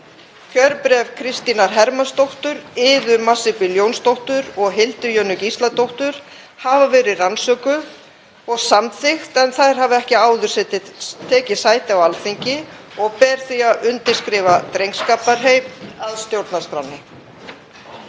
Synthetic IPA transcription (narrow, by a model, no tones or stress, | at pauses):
cʰœɾpɾɛvkʰɾɪst̪inaɾ̥ɦɛɾmanst̪owht̪ʏɾɪːðʏmasɪpɪljownst̪owht̪ʏɾɔɣɦɪlt̪ʏɾjœnʏcist̪lat̪owht̪ʏɾ̥ | havavɛːɾɪransœːkʏ | ɔɣsamθɪxt̪ɛnθaðɾ̥ɦavɛhcɪaːwðʏɾ̥sɛt̪ɪt̪ʰɛːcɪsaːjt̪ɪawalθiɲcɪɔɣpɛːɾ̥θiaʏnt̪ɪɾ̥skɾɪːvat̪ɾejŋkskaːpaɾ̥ɦejmaðst̪jowɾt̪nast̪ɾanːɪ